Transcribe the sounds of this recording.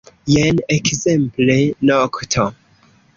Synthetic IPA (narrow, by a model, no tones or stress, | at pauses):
jɛnekzɛmplenɔktʰo